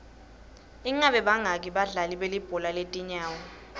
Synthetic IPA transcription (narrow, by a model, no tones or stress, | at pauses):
iŋaɓɛɓaŋak̬iɓaɮaliɓelib̥ʱɔlaletʼiɲaːwɔ